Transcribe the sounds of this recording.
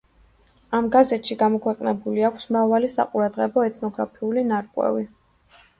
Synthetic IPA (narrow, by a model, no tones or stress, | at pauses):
amɡazɛt̪ʃiɡamɔkʰwɛqʼnɛbuliakʷʰsmɾavalisa̰qʼuɾad̪ʁɛbɔɛt̪ʰnɔɡɾapʰiulinaɾkʼwɛ̰vi